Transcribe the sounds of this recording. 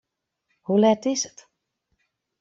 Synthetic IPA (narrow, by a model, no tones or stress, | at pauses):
hulɛtɪsə̥t